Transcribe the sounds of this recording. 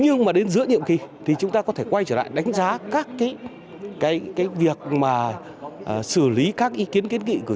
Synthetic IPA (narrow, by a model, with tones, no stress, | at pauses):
ɲɨ˧ŋmaː˨˩ɗe˨˦nzɨ̰˧˥ənḭ˧˨əmki˨˩t̪ʰi˨˩t͡ɕʊ˨˦ŋ͡mt̪aː˧kɔ˨˦t̪ʰe˧˩kwa˧jt͡ɕəː˧˩la̰ː˧˨jɗa˨˦jŋ̟zaː˨˦kaː˦˥kːaː˨˦j | kaː˨˦jkaː˨˦jvi˨˩ək̚maː˨˩˨ | sɨ˧˩li˨˦kaː˦˥k̚ʔi˨˦ki˨˦ənki˨˦ənŋḭ˧˨kɨ˧˩